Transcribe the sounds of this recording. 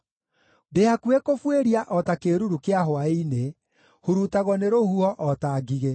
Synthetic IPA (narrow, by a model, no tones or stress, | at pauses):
deakwekofweɾiaʔɔtakeɾuɾukeaɦwaine | huɾutaɣɔneɾohuɔʔɔtaːɡiɣe